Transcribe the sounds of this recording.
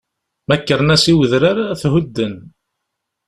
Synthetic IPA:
mækːəɾnæsiwəðɾaɾaθɦʊd̪ːən

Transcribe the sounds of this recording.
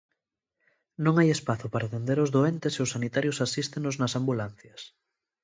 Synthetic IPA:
nõŋajespaθʊpaɾaðend̪eɾozðoɛnt̪eseʊsanit̪aɾjosasist̪enoznɐsambulan̟θjɐs

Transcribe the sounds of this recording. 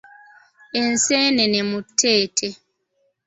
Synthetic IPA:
ɛnsɛnɛnɛmutʰːɛːtʰɛ

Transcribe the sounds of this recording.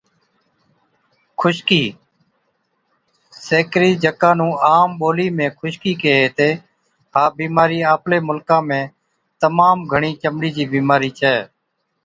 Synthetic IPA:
kʰʊʃkiː | seːkɾiːd͡ʒəkãːnũːʔaːmɓoːliːmẽːkʰʊʃkiːkeːɦeːt̪eː | haːbiːmaːɾiːaːpleːmʊlkãːmẽː | t̪əmaːmɡʱəɳiːt͡ʃəmɽiːd͡ʒiːbiːmaːɾiːt͡ʃʰɛː

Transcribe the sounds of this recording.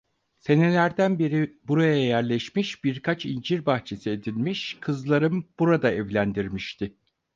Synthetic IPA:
se̞ne̞lʲæɾd̪ænbiɾibuɾajajæɾlʲɛʃmiʃb̥iɾkʰat͡ʃind͡ʒiɾbaxt͡ʃʰe̞sie̞d̪ilʲmiʃkʰɯzlˠaɾɯmb̥uɾad̪aɛvlʲænd̪iɾmiʃt̪ʰɪ

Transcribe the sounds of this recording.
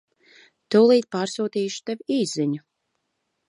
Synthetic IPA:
t̪uwlˠiːt̪̚paːɾsuːt̪iːʃu̥t̪ɛvʲiːziɲu

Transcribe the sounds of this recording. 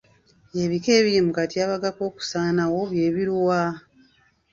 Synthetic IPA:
eβike̞ːβiimukatiaːβaɡako̞ːku̥saːnawo̞βje̞ːβiɾwa

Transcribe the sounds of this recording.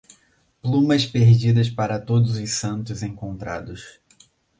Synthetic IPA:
plũmɐspeɾd͡ʒid̪ɐspaɾɐt̪od̪ʊzʊsɐ̃nt̪ʊzẽkõnt̪ɾa̰d̪ʊs

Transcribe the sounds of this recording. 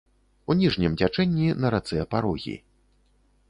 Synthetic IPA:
unʲiʐnʲimd͡zʲat͡ʂɛnʲːinɐɾat̪sɨɐpaɾɔɣʲḭ

